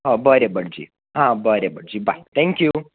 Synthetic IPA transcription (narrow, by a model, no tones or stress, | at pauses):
ɦə̃bəɾebəɽd͡ʑḭ | ɦãbəɾebəɽd͡ʑiba̰it̪ʰɛ̃ŋkju